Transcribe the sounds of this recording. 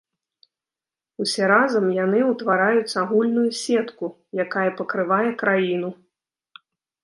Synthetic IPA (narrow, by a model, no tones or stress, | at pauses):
usʲɛɾazɐmjanɨwt̪vaɾajut̪sʲɐaɣulʲnujusʲɛt̪ku | jakajɐpɐkɾɨvajɛkɾajin̪u